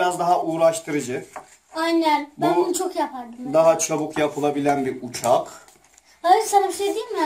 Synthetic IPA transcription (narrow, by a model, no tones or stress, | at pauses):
ɾazd̪aɦaʔuːɾˠaʃt̪ʰɯɾɯd͡ʒɯ | ajnʲænbænbunut͡ʃʰokjapʰaɾd̪ɯmd̪aɦat͡ʃʰaβukʰjapʰɯlˠabilʲænbiɾut͡ʃʰak | øjlʲɛsanɯmʃed̪iːnmɪ